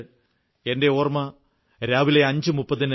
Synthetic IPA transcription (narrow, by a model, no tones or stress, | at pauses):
e̞nde̞oːrmɐ | ɾaːʋileɐɲd͡ʑɨmupːɐðin